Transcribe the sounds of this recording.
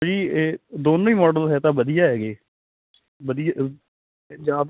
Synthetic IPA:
d͡ʒiːed̪oːnõːiːmɔːɖəlɦɛːt̪ãːbəd̪ɪjaːɦɛːɡeː | bəd̪ija | d͡ʒaːd̪

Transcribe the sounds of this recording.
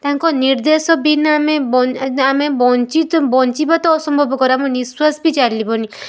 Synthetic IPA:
t̪aɦaŋkɔniɾd̪esɔbinaamebɔamebɔnt͡ʃit̪bɔnt͡ʃibat̪ɔɔsɔmbʱɔbɔkɔɾamɔ̃niswasbit͡ʃaɽlibɔni

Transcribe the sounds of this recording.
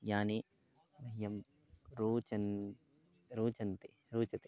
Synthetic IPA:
jaːne | mɐɦijɐm | ɾuːt͡ʃɐn | ɾuːt͡ʃɐnt̪e | ɾuːt͡ʃɐt̪e

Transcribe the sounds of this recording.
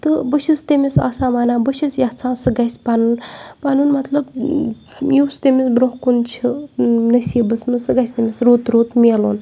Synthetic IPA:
t̪ɨbɨʃist̪emʲisa̰ːsaːmaːnaːbɨʃisjat͡sʰãːsɨɡɐsʲpanunpaːnunmɐt̪lɐb | juːst̪emisbɾõɦkunt͡ʃʰinɐsiːbɨsmɨsɨɡɐjsʲt̪emʲisɾoːt̪ɾoːt̪meːlo̰ːn

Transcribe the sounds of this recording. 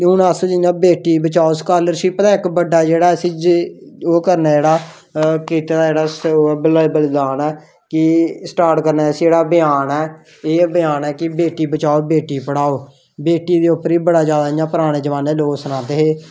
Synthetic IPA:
ʊnaːsõːd͡ʒɪjãːbeːʈiːbət͡ʃaːoːskaːləɾʃiːpət̪ãːɪkbəɖaːd͡ʒeːɽaːəsĩː | oːkəɾnɛːd͡ʒeːɽaː | kɪt̪eaːd͡ʒeːɽaːsblbəld̪aːnɛː | kɪsʈaːɾʈkəɾnaːəsĩːd͡ʒeːɽaːbɪjaːnɛː | eːbəjaːnɛːkɪbeːʈiːbət͡ʃaːoːbeːʈiːpəɽaːoː | beːʈiːd̪eːʊpːəɾiːbəɽaːzjaːd̪aːɪjãːpəɾaːɽ̃eːd͡ʒəʋaːneːloːksənãːd̪eːɦeː

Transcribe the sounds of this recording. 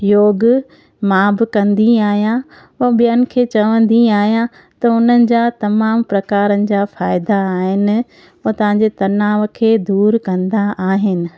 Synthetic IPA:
joːɡ | mãːbɪkɐ̃nd̪iaːɦijã | ɐɓijənɪ̆kʰeːt͡ɕɐʋə̃nd̪iaːɦijã | t̪ɐʊnənɪ̆d͡ʑaːt̪ɐmaːmpɾɐkaːɾənɪ̆d͡ʑaːfaːɪd̪aːɦɪnɪ̆ | ut̪ɐʋ̤ãɲd͡ʑet̪ɐnaːʋ̆kʰeːd̪uːɾkɐ̃nd̪aaːɦɪnɪ̆

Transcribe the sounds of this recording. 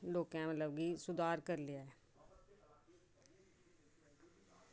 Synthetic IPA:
loːkãːmət̪ləb̚ɡiːsʊd̪ʱaːɾkəɾlɪjaːɛː

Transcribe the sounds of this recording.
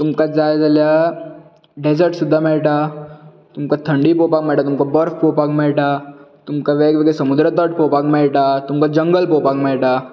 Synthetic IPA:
t̪umkad͡zajd͡zalja | ɖed͡zəɾʈsud̪ʱːamɛɭʈa | t̪umkat̪ʰəɳɖipopak̚mɛɭʈat̪umkabəɾfpopakmɛɭʈat̪umkaʋeɡʋeɡesəmud̪ɾət̪əʈ̚popakmɛɭʈat̪umkad͡ʑəŋɡəlpopakmɛɭʈa

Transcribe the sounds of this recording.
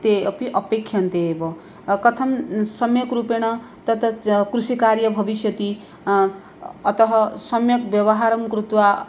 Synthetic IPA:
t̪epiʔʌpekʰːjant̪ebʌ | kʌt̪ʰʌmsʌmjʌkɾupeɽ̃ʌ | t̪ʌt̪ʌkrusikaɾjʌbʱʌbisjʌt̪i | t̪ʌɦʌsʌmjʌkbjʌbʌɦaɾʌmkɾut̪wa

